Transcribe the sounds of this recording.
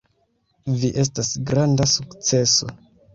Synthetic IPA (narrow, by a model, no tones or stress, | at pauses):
viʔe̞s̬tasɡɾandasukt͡se̞so̞̰